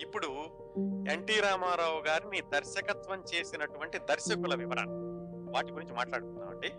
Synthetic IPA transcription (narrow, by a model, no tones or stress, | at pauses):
ipːuɽu | eɳʈiːɾaːmaːɾaːwuɡaːɾinid̪ɐɾʃɐkɐt̪ʋɐmt͡ʃe̞ːsinɐʈuʋɐɳʈid̪ɐɾʃɐkulɐʋiʋɐɾɐ̰nɐʋaːʈiɡuɾiɲt͡ʃimaːʈlaːɽut̪unːaːʋɐɳɖi